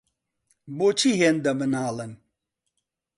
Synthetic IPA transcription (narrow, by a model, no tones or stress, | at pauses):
boːt͡ʃʰiɦeːnd̪ɐmɨnaːlɨn